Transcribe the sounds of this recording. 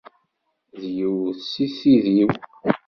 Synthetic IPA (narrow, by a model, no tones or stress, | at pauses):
ðjəwsiθiðiw